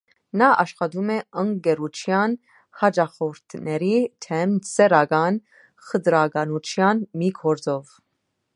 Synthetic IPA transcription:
nɑʔɑʃχɑd̪umɛəŋɡɛɾut͡ʃʰjɑn | hɑd͡ʒɑχɔɾt̪ʰnɛɾit̪ʰɛmt͡sɛɾɑɡɑn | χəd̪ɾɑɡɑnut͡ʃʰjɑnmikʰɔɾd͡zɔv

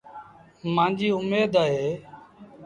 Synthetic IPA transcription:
mãːnd͡ʒiːʊmeːd̪aːɦeː

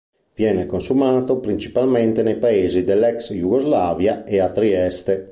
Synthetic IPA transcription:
vjɛːnekonsumaːt̪opɾint͡ʃi̥palment̪enejpaeːzid̪elːɛksjuɡozlaːvjaeat̪ɾiɛst̪e

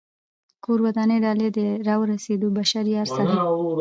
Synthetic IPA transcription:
koɾwad̪ɑneɖɑled̪əɾɑwəɾased̪obaʃaɾijaɾsaɾa

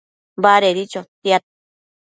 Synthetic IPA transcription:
baɾeɾit͡ʃot̪jat̪̚

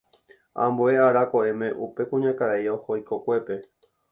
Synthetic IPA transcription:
ã̰mboeaɾakoemẽ̞ʔupe̞kũɲãkaɾaiohojkokʷe̞pe̞

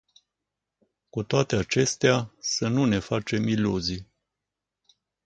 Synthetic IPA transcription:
kut̪oat̪e̞at͡ʃe̞st̪easənune̞fat͡ʃe̞miluzi

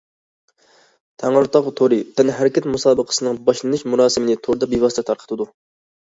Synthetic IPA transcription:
t̪ʰæŋʊɾt̪ɑʁt̪ʰoɾɨt̪ɛnɪɦæɾɪkʲɛt̪musɑːbəqʰə̥sɨnɨŋbɑʃlˠɨnɨʃmuɾɑːsɨmɨnɪt̪ʰoɾd̪ɑbivɑst̪ɛt̪ʰɑɾqʰə̥t̪ʰɨd̪u

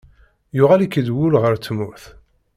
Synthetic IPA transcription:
jʊʁalikːəd̪wulʁəɾt͡sːmʊθ

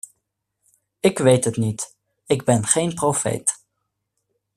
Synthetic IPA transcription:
ɪkʋejtɦətnit | ɪɡbɛnχejnprofḛjt

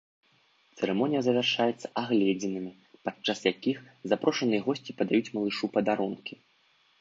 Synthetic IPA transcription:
t̪sɛɾɛmɔnʲijɐzɐvʲarʂajɛt̪sːɐ̥ʔaɣlʲɛd͡zʲɛnɨmʲi | pat͡ʂːasjakʲixzapɾɔʂɐnɨjɐɣɔsʲt͡sʲipɐd̪ajut͡sʲmɐlˠɨʂupɐd̪aɾunkʲi

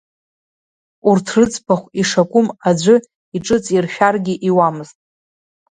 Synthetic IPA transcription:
urtʰrɨt͡sʼpʰaχʷiʂakʷʼʊmad͡ʒʷɨ | iʈ͡ʂʼɨt͡sʼirχʲᶣarɡʲɪʔiwamɨztʼ

